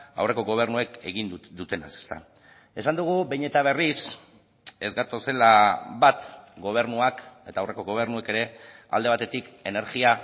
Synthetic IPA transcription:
a̰wre̞ko̞ɣo̞β̞e̞rnue̞ke̞ɣind̪ut̪ena̰se̥st̪a̰ | e̞sand̪uɣ̞ubejɲe̞t̪aβ̞e̞ris | e̞zɡat̪o̞se̞laβat̪ɡo̞β̞e̞ɾnuake̞t̪aːwre̞ko̞ɣo̞β̞e̞ɾnueke̞ɾe̞ | a̰ld̪e̞β̞at̪et̪ike̞ne̞ɾɣia

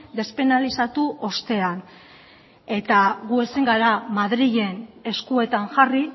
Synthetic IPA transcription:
d̪e̞spe̞nalisat̪uʔo̞st̪e̞an | e̞t̪aɣue̞siŋɡaɾamaðɾiʎe̞ne̞skue̞t̪aŋʝari

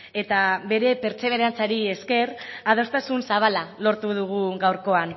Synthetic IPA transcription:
e̞t̪aβe̞ɾe̞pe̞ɾt͡se̞β̞e̞ɾeant͡saɾie̞ske̞rað̞o̞st̪asunsaβ̞alalo̞ɾt̪uð̞uɣ̞uɣawɾko̞an

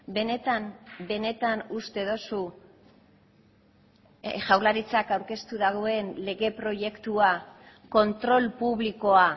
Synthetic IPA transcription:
be̞ne̞t̪ambe̞ne̞t̪anust̪e̞ðo̞su | ʝawlaɾit͡sakawɾke̞st̪uðaɣo̞e̞nle̞ɣe̞pɾo̞ʝe̞kt̪ua | ko̞nt̪ɾo̞lpuβliko̞a

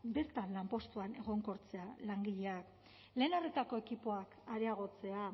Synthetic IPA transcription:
be̞ɾt̪anlampo̞st̪uane̞ɣ̞o̞ŋko̞ɾt͡se̞alaŋɡiʎe̞ak | le̞ːnaret̪ako̞e̞kipoakaɾeaɣ̞o̞t͡se̞a

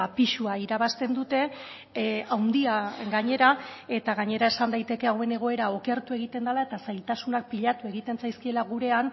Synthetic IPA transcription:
piʃuaiɾaβ̞ast̪e̞nd̪ut̪e̞ | awnd̪iaɡaɲe̞ɾae̞t̪aɣaɲe̞ɾae̞sand̪ajt̪e̞ke̞awe̞ne̞ɣ̞o̞e̞ɾao̞ke̞ɾt̪ue̞ɣ̞it̪e̞nd̪alae̞t̪asajlt̪asunak̚piʎat̪ue̞ɣ̞it̪e̞nsajskie̞laɣ̞uɾe̞an

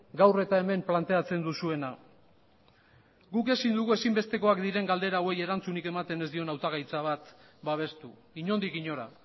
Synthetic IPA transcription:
ɡawre̞t̪ae̞me̞mplant̪e̞at͡se̞nd̪usue̞na | ɡuke̞sind̪uɣue̞simbe̞st̪e̞ko̞akd̪iɾe̞ŋɡald̪e̞ɾaowe̞je̞ɾant͡sunike̞mat̪e̞ne̞zd̪io̞nawt̪aɣ̞ajt͡saβ̞at̪ | baβ̞e̞st̪u | iɲo̞nd̪ikiɲo̞ɾa

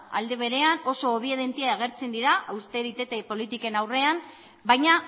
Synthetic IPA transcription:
a̰ld̪e̞β̞e̞ɾe̞ano̞so̞ːβ̞ie̞ð̞e̞nt̪iaaɣ̞e̞ɾt͡se̞nd̪iɾaʔawst̪e̞ɾit̪e̞t̪e̞po̞lit̪ike̞nawre̞am | bajɲa

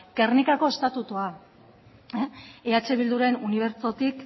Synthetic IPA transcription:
kernikako̞e̞st̪at̪ut̪ua | eat͡ʃe̞β̞ild̪uɾe̞nuniβ̞e̞ɾt͡so̞t̪ik

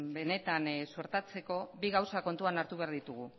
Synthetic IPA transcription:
be̞ne̞t̪ansuɾt̪at͡se̞ko̞βiɣawsako̞nt̪uanaɾt̪uβe̞aɾðit̪uɣ̞u

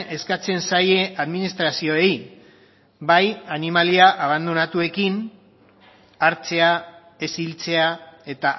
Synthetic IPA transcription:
e̞skat͡se̞nsaje̞ʔaðminist̪ɾasio̞ej | bajanimaliaʔaβ̞and̪unat̪ue̞kin | aɾt͡se̞a | e̞silt͡se̞ae̞t̪a

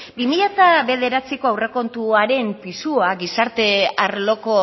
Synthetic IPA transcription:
bimiʎat̪aβe̞ðe̞ɾat͡siko̞awre̞ko̞nt̪uaɾe̞mpisuaɡisaɾt̪e̞aɾlo̞ko̞

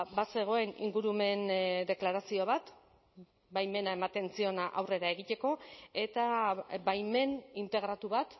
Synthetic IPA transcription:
base̞ɣ̞o̞e̞nḭŋɡuɾume̞nd̪e̞klaɾasio̞β̞at̪ | bajme̞nae̞mat̪e̞nt͡sio̞naʔawre̞ɾae̞ɣit̪e̞ko̞e̞t̪abajme̞nint̪e̞ɣɾat̪uβat̪

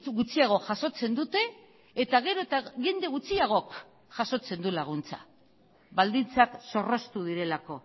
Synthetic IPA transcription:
ɣut͡siaɣ̞o̞ʝaso̞t͡se̞nd̪ut̪e̞ː | t̪aɣ̞e̞ɾo̞t̪aɣe̞nd̪e̞ɣ̞ut͡siaɣ̞o̞k | ʝaso̞t͡se̞nd̪ulaɣ̞unt͡sa̰ | βald̪int͡sakso̞ro̞st̪uðiɾe̞lako̞

